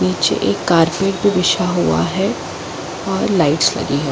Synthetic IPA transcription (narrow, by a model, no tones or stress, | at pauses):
niːt͡ʃḛʔeːkːaːɾpeːʈ̚bʱibɪʃaɦua̰ɦɛ | ɔːɾlaːɪʈslɐ̰ɡiɦɛː